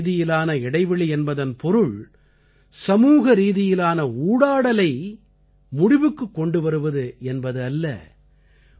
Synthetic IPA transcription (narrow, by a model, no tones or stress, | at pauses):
ðɪjɪlaːnɐɪɽɐɪʋɪɭiɛnbɐðɐnpɔɾɯɭ | sɐmuːɣɐɾiːðɪjɪlaːnɐuːɽaːɽɐlɐɪ | mʊɽɪʋɯkːɯkːɔɳɖɯʋɐɾɯʋɐðɯɛnbɐðɯɐlːɐ̰